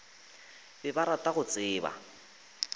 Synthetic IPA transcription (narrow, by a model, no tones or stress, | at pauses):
bɪbaɾatʼaɣʊt͡sʼɪːba̰